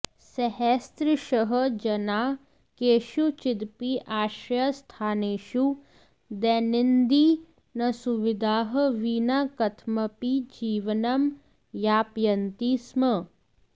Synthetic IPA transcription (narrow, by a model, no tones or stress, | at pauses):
sɐɦest̪ɾɪʃəɦəd͡ʒɐnaː | keːʃut͡ʃɪd̪piʔaːʃɾjast̪ʰaːneːʃu | d̪ɛːnɪnd̪i | nɐsuʋɪd̪ʱaːɦə̆ʋiːnaːkɐt̪ʰmɐpid͡ʒiːʋɐnɐm | jaːpjɐnt̪iːsmə